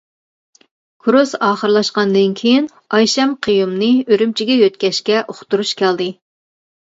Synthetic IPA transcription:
kʰuɾusɑːχəɾɨlˠɑʃqɑnd̪ɨnkʲʰejin | ɑjʃɛmqʰəjumnɨøɾymt͡ʃʰiɡʲɛjøt̪̚kʲɛʃkʲɛʔoχt̪uɾuʃkʲʰæld̪ɨ

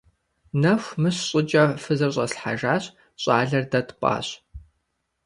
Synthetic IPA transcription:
nɐxʷmɨɕɕʼɪd͡ʒʼɐfɨzɐrɕʼɐsħa̰ʒaːɕ | ɕʼɑːɮɐrdɐtʰpʷʼa̰ːɕ

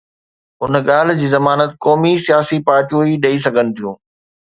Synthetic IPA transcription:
ɦʊnɠaːl̤d͡ʑiːzɐmaːnət̪kɔːmisijaːsipaːɾʈijõiɗɐis̬ɐɡʱənɪ̆t̪ʰijṵ̃ː

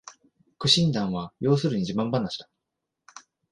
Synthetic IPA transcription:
kɯ̟ɕĩnd̪ãɰ̃βajo̞ːsɨɾɯ̟ɲ̟iʑimãmbanːaɕi̥t̪ḁ

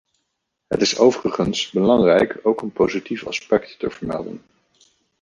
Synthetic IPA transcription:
ɦə̰tɪsowvərəχənsbəlɑŋrɛjkʰowkənpowzitifɑ̰spɛktːəvəɹmɛ̰lˠdə̰n

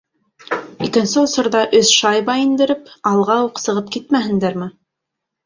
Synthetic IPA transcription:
ikɘ̆nsɘŏsɤ̆ɾðɑʔɵsʃɑjβɑind̪ɘ̆ɾɘpɑlˠʁɑuqsɤ̆ʁɤp̚kit̪̚mæɦɘ̆nd̪æɾmɘ

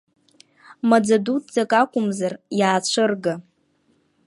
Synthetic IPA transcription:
mad͡zadut̚ʰʼd͡zakʼakʷʼʊmzarjaːt͡ɕʷʰɨrɡa

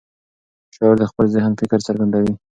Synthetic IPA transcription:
ʃɑɾd̪əxpəlzɪɦənfɪkəɾt͡səɾɡand̪awi

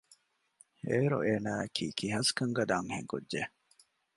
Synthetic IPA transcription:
eːɾo̰ʔeːnaːɐkʰiːkiɦɐskɐŋɡɐd̪aːŋhḛŋkudːd͡ʒe

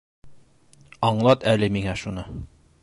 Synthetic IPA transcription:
ɒɴlˠɑt̪ælɘmiŋæʃunɤ

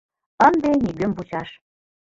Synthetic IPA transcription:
ənd̪enʲiɡømbut͡ɕɑʃ

